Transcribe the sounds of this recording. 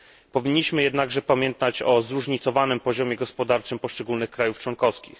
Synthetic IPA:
pɔvʲiɲːiɕmɘjɛd̪naɡʐɛpamʲjɛnt̪at͡ɕɔzɾuʐɲit̪sɔvanɘmpɔʑɔmʲjɛɡɔspɔd̪aɾt͡ʂɘmpɔʂt͡ʂɛɡulnɘxkɾajuft͡ʂwɔnkɔfskʲḭx

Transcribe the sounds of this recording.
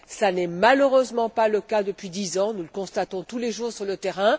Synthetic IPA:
sanɛmaløʁøzmɑ̃paləkad̪əpɥid̪izɑ̃nuləkɔ̃st̪at̪ɔ̃t̪uleʒuːʁsyʁlət̪ɛʁɛ̃

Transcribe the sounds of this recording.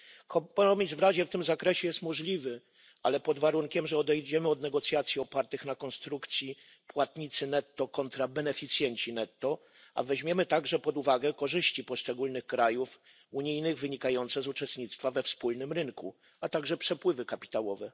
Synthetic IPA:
kɔpɔɔmʲizvɾaʑɛft̪ɘmzakɾɛɕɛjɛst̪mɔʐlʲivɘ | ʔa̰lɛpɔd̪vaɾuŋkʲɛmʐɛɔd̪ɛjd͡ʑɛmɘɔd̪nɛɡɔt̪sʲjat̪sʲiɔpaɾt̪ɘxnakɔnst̪ɾukt̪sʲji | pwat̪ɲit̪sɘnɛt̪ːɔkɔnt̪ɾabɛnɛfʲit̪sʲjɛɲt͡ɕinɛt̪ːɔ | ʔa̰vɛʑmʲjɛmɘt̪aɡʐɛpɔd̪uvaɡɛkɔʐɘɕt͡ɕipɔʂt͡ʂɛɡulnɘxkɾajuf | uɲijnɘɣvɘɲikajɔnt̪sɛzut͡ʂɛst̪ɲit̪st̪favɛfspulnɘmɾɘŋkṵ | at̪aɡʐɛpʂɛpwɘvɘkapʲi̥t̪awɔvɛ

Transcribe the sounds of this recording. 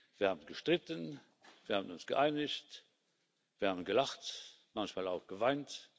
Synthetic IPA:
viːɐhaːbənɡəʃtʁɪtən | viːɐhaːbənʊnsɡ̥ə̰ʔaɪnɪçt | viːɐhaːbənɡəlaχt | mançmaːlaʊxɡ̥əvaɪnt

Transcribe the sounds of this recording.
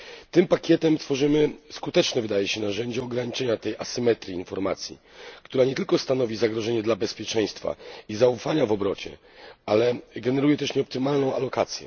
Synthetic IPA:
t̪ɘmpakʲjɛt̪ɛmt̪fɔʐɘmɘskut̪ɛt͡ʂnɛvɘd̪ajɛɕɛnaʐɛɲd͡ʑaɔɡɾaɲit͡ʂɛɲat̪ɛjʔasɘmɛt̪ɾiːnfɔɾma̰t̪sʲjḭ | kt̪uɾaɲɛt̪ɘlkɔst̪anɔvʲizaɡɾɔʐɛɲɛd̪labɛspʲjɛt͡ʂɛj̃st̪fa̰izaufaɲavɔbɾɔt͡ɕɛ̰ | alɛɡɛnɛɾujɛt̪ɛʂɲɛɔpt̪ɘmalnɔ̃w̃a̰lɔkat̪sʲjɛ̰

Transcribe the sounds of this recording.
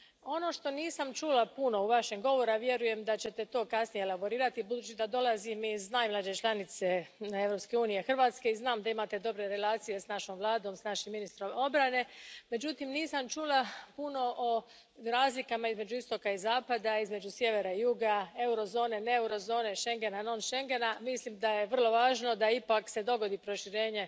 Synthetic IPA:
o̞no̞ʃt̪o̞niːsamt͡ʃulapuno̞uʋaʃeɡɡo̞ʋo̞ɾaʋje̞ɾuje̞md̪at͡ɕe̞t̪e̞t̪o̞ːkasnijelaboɾiːɾat̪ibud̪uːt͡ʃid̪ad̪o̞lazimiznaːjmlˠaːd͡ʒe̞t͡ʃlˠanit̪se̞e̞vɾo̞pske̞uːnijexr̩ʋaːt̪ske̞iznaːmd̪aimat̪e̞d̪o̞bɾe̞ɾe̞laːt̪sije̞snaʃo̞ːmʋlˠaːd̪o̞ːmsnaʃimːinist̪ɾo̞mo̞bɾane̞me̞d͡ʒut̪imniːsamt͡ʃulapuno̞ʔo | ɾaːzlikamaizme̞d͡ʑuist̪o̞kaizaːpad̪aizme̞d͡ʑusje̞ʋe̞ɾaijuɡae̞uɾo̞zo̞ːne̞neeuɾo̞zo̞ːne̞ʃe̞ŋɡe̞nanonʃe̞ŋɡe̞namislimd̪ajeʋər̩lˠo̞ʋaːʒno̞d̪aipakse̞d̪o̞ɡo̞d̪ipɾo̞ʃiɾe̞ːɲe̞

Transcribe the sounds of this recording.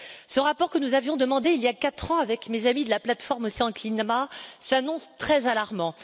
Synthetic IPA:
səʁapɔʁkənuzavjɔ̃d̪əmɑ̃d̪eiljakat̪χɑ̃avɛkmezamid̪əlaplat̪fɔʁmosiɑ̃klinmasanɔ̃st̪χɛzalaʁmɑ̃

